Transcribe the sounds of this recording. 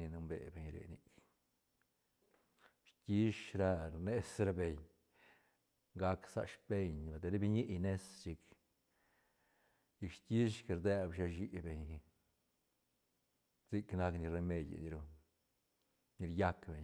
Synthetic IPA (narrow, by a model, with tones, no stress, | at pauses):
ni˧nu˧mbḛ˨be˨ɲɾḛ˨ni˨k | ʃt̪ʲi˦ʃɾa˧ɾne˦sɾa˦be˨ɲ | ɡa˧ksa̰˧ʃbe˧ɲba˨d̪e˧ɾe˦bi˧ɲi˦ʔjne˦st͡ʃi˧k | i˧kʃt̪ʲi˦ʃke˧ɾd̪e˦˧bʃa˧ʃ̬i˦be˧˨ɲ | zi˦kna˧kni˧ɾe˧me˧d̪ʲa̰˨ni˧ɾu˧ | ni˧ɾja˦kbe˨ɲ